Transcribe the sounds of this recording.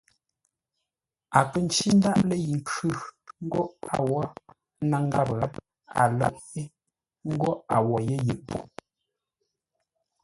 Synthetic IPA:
a˨kə˦n˨t͡ʃi˦n̩˦da˦ʔlə˦ji˨ŋ˨kʉ˦˨ŋ̩˦ɡɔ˦ʔa˨wɔ˦ | na˦˨ŋ˦ɡa˦˨bɣa˦ | a̰˨lə̰˦ʔfi˦ | ŋ̩˦ɡɔ˦a˨wɔ˨je˦jə˨ʔbṵ˨

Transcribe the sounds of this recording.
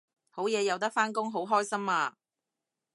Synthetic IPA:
ho˨˥wjɛː˨˧jɐ˨˧wt̪ɐ˥k̚faː˥nkʊ˥ŋɦo˨˥wɦɔː˥jsɐ˥maː˧

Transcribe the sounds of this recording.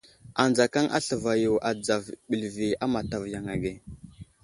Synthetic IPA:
a˨nd͡za˨ka˦ŋʔa̰˦ɬə˨va˨ju˨wʔa˨d͡za˨vɓi˨lvi˨a˦ma˨ta˨vja˨ŋa˨ɡe˨

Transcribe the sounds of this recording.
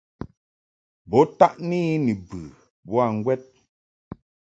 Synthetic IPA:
bɔ˨˦ta˦ʔniː˦ni˨bɨ˨ | bɔ˦a˦˨ŋ̩˦ɡwɛ˦t̚

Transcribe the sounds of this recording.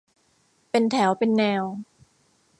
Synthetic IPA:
pe˧nt̪ʰɛː˩˦wpe˧nːɛː˧w

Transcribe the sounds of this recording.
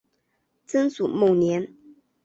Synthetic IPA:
t͡sə˥nsu˨˩mo˥˩njɛ˧˥n

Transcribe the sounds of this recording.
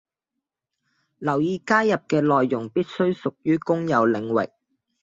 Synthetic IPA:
lɐ˨˩wjiː˨˧kaː˥jːɐ˨p̚kɛː˧lɔː˨jːʊ˨˩ŋpiː˥t̚sɵ˥ɥsʊ˨k̚jyː˥kʊ˥ŋjɐ˨˧wlɪ˨˧ŋwɪ̰˨k̚

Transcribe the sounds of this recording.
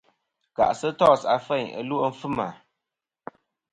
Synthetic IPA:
ka̰˨ʔsə˦tɔ˦˨sa˨fɛ˦˨ə̰˨lu˦o˦m̩˦fɨ˦ma˨

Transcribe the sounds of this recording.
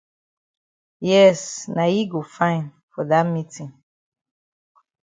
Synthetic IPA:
jɛ˦sna˨ji˦ɡo˨fã˦ɪ̃n | fɔ˨da˦mi˦tʰĩ˨ŋ

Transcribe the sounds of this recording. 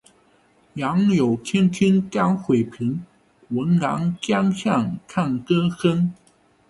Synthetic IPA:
jɑ˧˥ŋljo˨˩ʊt̪ʰɛ˥nk̪ʰi˥nta˥˩ŋxwe˨˩ɪpʰi˧˥ŋ | wə˧˥nla̰˧˥ŋt͡ɕjɑ˥ŋɕjɑ˥˩ŋkʰa˥˩nkɤ˥xə˥n

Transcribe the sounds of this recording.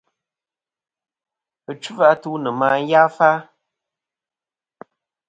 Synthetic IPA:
ɨ˨t͡ʃu˦va˦tu˦nɨ˨maː˦n̩˦ja˦fa˦

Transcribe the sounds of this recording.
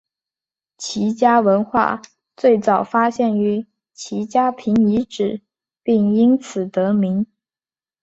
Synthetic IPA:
t͡ɕʰi˧˥t͡ɕja˥wə˧˥nxwa̰˥˩ | t͡swe˥˩ɪt͡sɑ˨˩ʊfa˥ɕjɛ˥˩ny˧˥ | t͡ɕʰi˧˥t͡ɕja˥pʰi˧˥ŋi˧˥ʈ͡ʂɻ̩˨˩ | pi˥˩ŋi˥nt͡sʰɹ̩˨˩t̪ɤ˧˥mi˧˥ŋ

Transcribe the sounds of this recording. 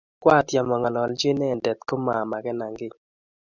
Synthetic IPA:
kwa˦˨tja˨mɔ˨ŋa˨lɔ˨ld͡ʒe˦nɛ˦˨ndɛ˨t̪ko˦ma˨ma˨ɡɛ˦na˨ŋɡɪ˦

